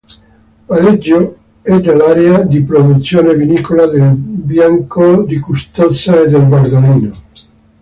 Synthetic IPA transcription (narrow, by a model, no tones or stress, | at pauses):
palid͡ʒːo | ɛd̪ːalaːɾead̪ipɾod̪ut̪sːjoːnevinikolad̪elbjaŋkod̪ikust̪ot̪sːaed̪elɡward̪oliːno